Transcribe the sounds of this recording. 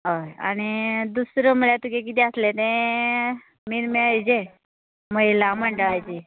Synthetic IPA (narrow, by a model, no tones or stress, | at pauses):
ɦoa̰ñid̪usɾəməɭjat̪ukek̬it̪iəslet̪ẽ | miɾmeəjd͡ʑe | məjlaməɳɖəʋajt͡ɕe